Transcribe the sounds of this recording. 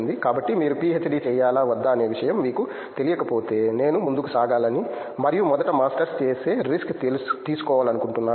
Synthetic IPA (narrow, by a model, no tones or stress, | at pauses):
nd̪ikaːbɐʈːimiːɾupiːɦet͡ʃ̪ːɐɖiːt͡ʃɛːjaːlaːʋɐd̪ːaːne̞ːʋiʂɐjɐmʋiːku | t̪e̞lijɐkɐpo̞ːt̪e̞ːne̞ːnumund̪ukusaːɡaːlɐni | mɐɾijumɔd̪ɐʈɐmaːsʈɐɾst͡ʃeːse̞ːɾiskt̪iːsu̥kɔːʋaːlɐnukuɳʈunːaː